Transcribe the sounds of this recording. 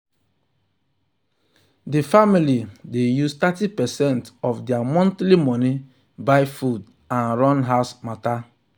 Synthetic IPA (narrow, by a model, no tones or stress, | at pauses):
difamilidejustatipɛsɛ̃ntɔfdjamɔ̃ntlimɔni | bajfud | ãnɾɔnɦaʊsmata